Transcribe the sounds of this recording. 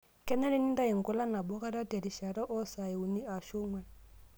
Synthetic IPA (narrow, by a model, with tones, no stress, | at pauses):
kɛ˦nɛ˦le˦ni˦n˦da˦ji˨ŋ̩˨kɔ˦la˦na˨bɔ˦ka˦ɾa˦tɛ˨ɾi˨ʃa˨ɾɔ˦ʔɔ˦sa˨je˨u˨ni˦a˨ʃo˦ŋwɛ˦˨n˨